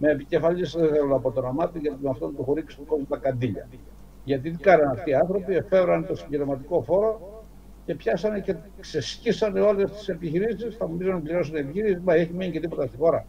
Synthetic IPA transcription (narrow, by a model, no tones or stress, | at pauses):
me̞ːpice̞fɐʎisðeθeɾunɐpo̞t̪o̞nɐmɐt̪iʝɐt̪imɐft̪ont̪uxuɾiksi̥t̪uko̞zmut̪ɐkɐnd̪iʎɐ̰ | ʝɐt̪iðikɐnɐnɐft̪iɐnθɾo̞piefe̞vɾɐnt̪o̞siɲɟeɾemɐt̪iko̞fo̞ɾo̞ | ce̞pçɐsɐne̞ce̞ | ksescisɐne̞o̞le̞st̪i̥se̞piçiɾisisθɐmupizɐnɐpliɾo̞sɐneːpiçiɾisizmɐeçiminicet̪ipo̞t̪ɐst̪ixo̞ɾɐ